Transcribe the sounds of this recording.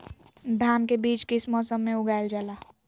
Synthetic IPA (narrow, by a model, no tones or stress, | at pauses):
d̪ʱaːnkebiːt͡ʃkɪsmɔːsəmːẽʊɡaːɪld͡ʒaːlaː